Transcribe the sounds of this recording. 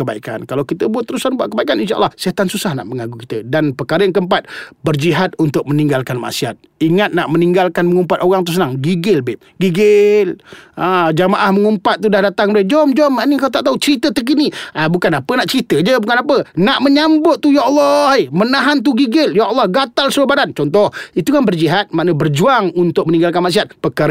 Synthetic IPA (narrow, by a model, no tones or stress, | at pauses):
əbaika̰nkalawkit̪əbuat̪ːəɾusanbuaʔkəbaikaninʃaʔə̰lːɑhsiat̪ansusahna̰ʔməŋaɡukit̪ədanpərkaɾəjaŋk̬əmpat̪̚bərd͡ʒiɦat̪̚unt̪ʊk̚məniŋɡalkanma̰ʔsiat̪̚iŋat̪̚naʔməniŋɡalkanməŋumpat̪oɣaŋt̪us̬ənaŋɡiɡəlbɪʔ̚ɡiɡɪlad͡ʒamaʔahməŋumpat̪̚ːudahdat̪aŋbəɾɪhd͡ʒɔmd͡ʒɔmaʔnikawt̪aʔt̪aut͡ʃəɾit̪ət̪ək̬iniabukanapənaʔt͡ʃəɾit̪əd͡ʒəbukanapənaʔməɲambʊʔ̪̚t̪ːujaɔlːɑhemənaɦant̪uɡiɡɪljaʔɔlːɑhɡat̪alsəlobadant͡ʃɔnt̪̬ɔhit̪ukanbərd͡ʒiɦat̪̚maʔnəbərd͡ʒuaŋunt̪ʊk̚məniŋɡalkanmaʔs̬iat̪̚pəkaɾə